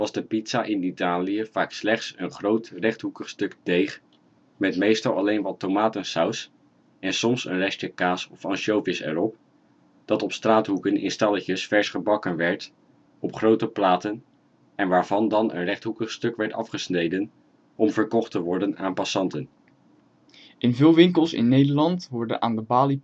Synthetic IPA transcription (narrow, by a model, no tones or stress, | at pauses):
ʋɑzdəpitsaʔɪnitaːlijəv̥aːkslɛχtsənχrowtrɛχtɦukəχstɵkdejχ | mɛtmejstɑlˠɑlejnʋɑtowmaːtənsaws | ɛnsɔmsənrɛst͡ʃəkaːsɔfɑnʃowvɪsɛ̰ɹɔp | d̥ɑtɔpstraːtɦukənɪ̰nstɑləcəsfɛɹsχəbɑkənʋɛɹt | ɔpχrowtəplaːtən | ɛnʋaːɹvɑndɑnə̰nrɛχtɦukəχstɵkʋɛɹtɑfχəsnejdən | ɔmvəɹkɔχtəʋɔɹdənaːnpɑsɑntən | ʔɪnvɪːlˠʋɪŋkəlˠsɪ̰nːejdəɹlɑntʋɔɹdə̰na̰ːndəbaːli